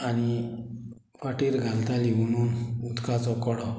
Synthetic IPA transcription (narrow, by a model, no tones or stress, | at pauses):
añi | faʈiɾɡʱalt̪alimunuːnud̪kat͡sɔkɔɽɔ